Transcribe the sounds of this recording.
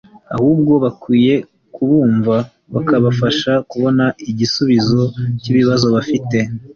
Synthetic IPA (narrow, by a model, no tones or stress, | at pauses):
a̰huːb̚ɡo̞βakwiːje̞ | kuβuːɱva | βakaβafaʃakuβo̞naiɟisuβizo̞ciβiβazo̞βafite̞